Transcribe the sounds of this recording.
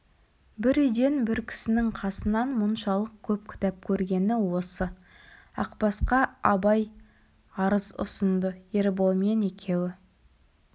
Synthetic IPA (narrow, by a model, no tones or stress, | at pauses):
bɪɾʏjd̪e̞nbɪɾkʲʰɪ̥sɪnɪŋqʰɑsənɑnmʊnʃɑlˠəq̚kʲʰɵp̚kʲʰɪ̥t̪æp̚kʲʰɵɾɡʲe̞nɪwo̞sə | ɑ̰qpɑsqɑɑbɑj | ɑɾəzʊ̰sənd̪əeɾbolˠme̞ne̞kʲʰe̞wɪ